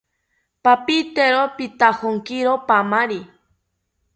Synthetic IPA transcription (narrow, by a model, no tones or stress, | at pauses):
papit̪eɾopit̪ahoŋkiɾopamaɾi